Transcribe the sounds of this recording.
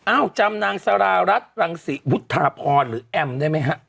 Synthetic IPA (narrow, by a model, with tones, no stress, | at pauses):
ʔaː˧˥˩wt͡ɕa˧mnaː˧ŋsa˧ɾaː˧ɾa˦˥t̪̚ɾa˧ŋsi˨˦wu˦˥t̪ʰːaː˧pʰɔː˧nɾɯː˩˦ʔɛ˧mdaː˥˩˨jma˦˥jɦʰa˦˥ʔ